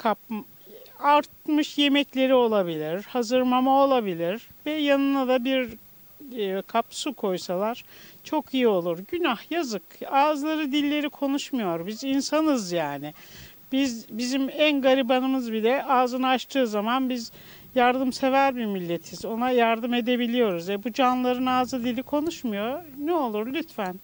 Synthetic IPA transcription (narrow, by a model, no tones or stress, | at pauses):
kʰap̚m | aɾt̪̚mɯʃje̞mɛclʲe̞ɾio̞lˠabilʲiɾ̥hazɯɾmamao̞lˠabilʲiɾ | vɛjanɯnad̪abiɾ | kʰapsukʰo̞jsalˠaɾ̥t͡ʃʰo̞kʰijio̞lˠuɾɟynahjazɯkaːzlˠaɾɯd̪ilʲːe̞ɾikʰo̞nuʃmujo̞ɾbizinsanɯzjaːnɪ | bizbizimænɡaɾibanɯmɯzbilʲɛʔaːzɯnɯat͡ʃt̪ʰɯːzamanbiz | jaɾd̪ɯmse̞væɾbimilʲːet̪ʰizo̞najaɾd̪ɯme̞d̪e̞bilʲijo̞ɾuzɛbud͡ʒanlˠaɾɯnaːzɯd̪ilʲikʰo̞nuʃmujo̞ɾnɛo̞lˠuɾlʲyt̪fæn